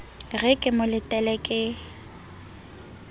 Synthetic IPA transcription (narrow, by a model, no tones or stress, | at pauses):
ɣɛkʼɪmʊlɪtʼɛlɛkʼɪ